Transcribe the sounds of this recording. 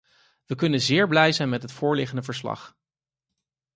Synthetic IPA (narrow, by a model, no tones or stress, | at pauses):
ʋəkɵnənzɪːɹblɛjzɛjnmɛtɦətfʊːɹlɪχəndəvəɹslɑ̰χ